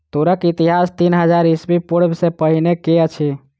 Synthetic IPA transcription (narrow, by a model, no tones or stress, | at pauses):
t̪oɾəkit̪iɦast̪inɦəd͡ʒaɾisbipuɽbsepəɦinekeət͡ʃʰi